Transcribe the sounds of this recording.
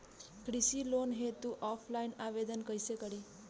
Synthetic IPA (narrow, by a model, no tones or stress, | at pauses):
kɾisilonɦet̪uʔɔflainaʋed̪ənkəjsekəɽiː